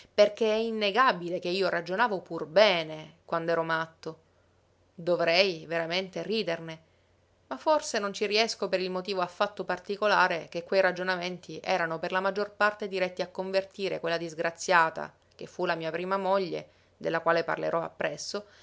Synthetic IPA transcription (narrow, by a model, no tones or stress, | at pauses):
perk̟eɛinːeɡabilek̟eiːorad͡ʒonaːvopurbɛːnekwand̪ɛːɾomat̪ːo | d̪ovɾɛjveɾament̪eriːd̪erne | mafːorsenont͡ʃiɾiɛskopeɾilmot̪iːvoafːat̪ːopart̪ikolaːɾek̟ekːwejɾad͡ʒonament̪ʰiʔɛːɾanoperlamad͡ʒːorpart̪ed̪iɾɛt̪ːiakːoɱvert̪iːɾḛkwelːad̪izɡɾat̪sːjaːt̪a̰ | k̟efːulamiːapɾiːmamoʎːḛ | d̪elːakwaːlepa̰rlḛɾʔɔa̰pːɾɛsːo